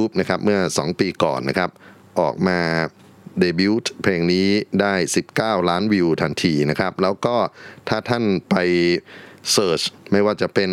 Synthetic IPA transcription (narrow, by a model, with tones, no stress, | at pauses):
uː˦˥p̚na˦˥kʰa˦˥p̚mɯ˥˩ɐsɔː˩˦ŋpiː˧kɔ̰ː˨˩nːa˦˥kʰa˦˥p̚ | ʔɔ̰ː˨˩k̚maː˧ | deː˧bi˦˥t̪ʰpʰleː˧ŋniː˦˥daː˥˩jsi˨˩p̚kaː˥˩wlaː˦˥nwiː˧wt̪ʰa˧nt̪ʰiː˧na˦˥kʰa˦˥p̚lɛː˦˥wkɔː˥˩t̪ʰaː˥˩t̪ʰa˥˩npa˧j | sɤː˧˩t͡ɕma˥˩jwaː˥˩t͡ɕa˨˩pe˧n